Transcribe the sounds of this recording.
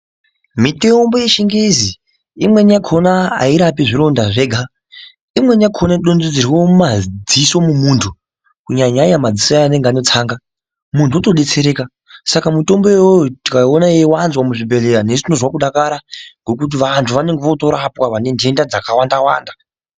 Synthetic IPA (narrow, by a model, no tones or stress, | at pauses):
mite̞mbo̞jeʃiŋɡezi | imwe̞nakʰonaa̰iɾapiʐiɾo̞ndaʐe̞ɡʱa | imwe̞njakʰonaɗond͡zid͡ziriwo̞umad͡ziso̞mumuntʰu | kuɲaɲaɲamad͡zisoaane̞ŋɡeano̞t͡saːŋɡa | muntʰuoto̞ɗe̞t͡se̞ɾe̞ːka | sakamuto̞mbojewotikaonaewanzwamuʐibʱe̞leɾanesnozwakuɗakaɾaŋɡo̞kut̬iʋantʰuʋane̞ŋɡeʋoto̞ɾapwaʋane̞ndʱe̞ndad͡zakawandawa̰ːnda